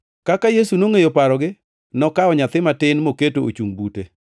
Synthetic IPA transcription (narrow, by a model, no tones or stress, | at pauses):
kakajesunoŋejopaɾɔɡɪ | nɔkaɔɲat̪ɪmatɪnmoketoo̰t͡ʃuŋbute